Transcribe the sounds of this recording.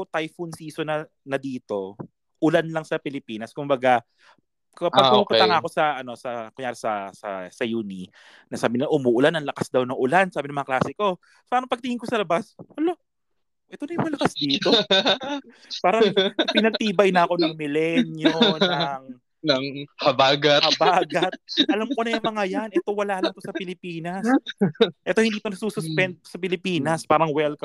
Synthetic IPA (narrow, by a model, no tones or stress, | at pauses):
ot̪ajfʊnsiːsonɐ | nɐd̪iːt̪o̞ | ʔʊlanlɐŋsɐpɪlɪpiːnɐskʊmbɐɡa | kɐpɐɡʊmuːpʊt̪ɐŋaːɐko̞sɐʔɐno̞sɐkʊɲjaːɾesɐsɐ̰sɐjuːni | nɐsaːbɪnɪlaʔʊmuːʔʊlanɐŋlɐkasd̪ɐwnɐŋʔʊlansaːbɪnɐŋmɐŋaɐklaːsɪko̞ | paːɾɐŋpɐɡ̚t̪ɪŋhɪŋkosɐlɐbaswɐlo | ʔɛt̪o̞nɐjʊŋmɐlɐkasd̪iːt̪o̞ | paːɾɐŋpɪnɐɡ̚t̪iːbɐjnɐɐko̞nɐŋmɪlɛnjonnɐŋ | nɐŋhɐbaːɡɐɐbaːɡɐt̪̚ɐlamkonɐjʊɐŋmɐŋajanʔɛt̪o̞wɐlaːʔlɐŋt̪osɐpɪlɪpiːnɐs | ʔɛt̪o̞hɪnd̪iːt̪onɐsuːsʊspɛnt̪̚osɐpɪlɪpiːnɐspaːɾɐŋwɛlkɐ